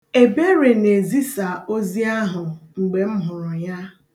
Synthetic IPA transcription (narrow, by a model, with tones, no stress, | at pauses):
e˨be˦ɾe˨ne˨zi˦sa˨o˦zi˦a˦ɦʊ˨ŋ͡m̩˨ɡ͡be˨m̩˦ɦʊ˨ɾʊ˨ja˦